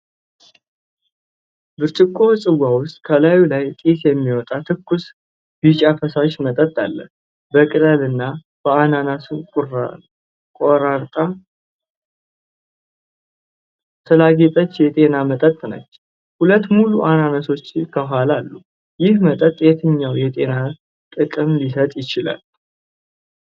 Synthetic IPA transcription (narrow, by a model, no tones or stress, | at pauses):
bɨɾt͡ʃʼɪkʰʼːo̞sʼɨɡʷawʊst̪ʼkʰəlajulajt̪ʼisjɛmːiwɔt̪ʼat̪ʰɨkːus | b̥it͡ʃʼafəsaʃmət̪ʼət̪ʼːa̰lːə̰ | bəkʼɨlʼəlɨnːa | b̥əananasu | kʼoɾaɾt̪ʼa | t̪ʰəlaɡet̪ʼət͡ʃːjɛt̪ʼe̞namət̪ʼət̪ʼːnə̰t͡ʃː | hulət̪ːmuluʔananaso̞t͡ʃːkʰəɦalalːu | jɪhmət̪ʼət̪ʼːjɛt̪ʰɨɲːawjɛt̪ʼe̞na | t̪ʼɨkʼɨmlisət̪ʼjɪt͡ʃɪla̰l